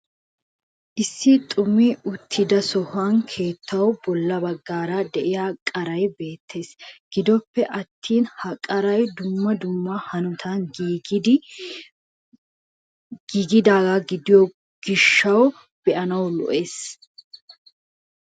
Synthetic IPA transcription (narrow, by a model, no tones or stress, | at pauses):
ʔɪsːɪt̪ʼʊmiʔʊt̪ʰːɪd̪ɐsɔhɐnkʰe̞ːt̪ʰːɐwbɔlːɐbɐɡːaːɾɐd̪ɛʔɪjaːkʼɐɾɐjbe̞ːt̪ʰːe̞ːsɡ̥ɪd̪ɔpːɛʔɐt̪ːiːnhɐkʼɐɾɐjd̪ʊmːɐd̪ʊmːɐhɐnʊt̪ʰɐnɡːd̪ | ɡiːɡɪd̪aːɡɐɡɪd̪ɪjɔ | ɡ̥ɪʃːɐw | b̥ɛʔɐnɐwlɔ̰ʔe̞ːs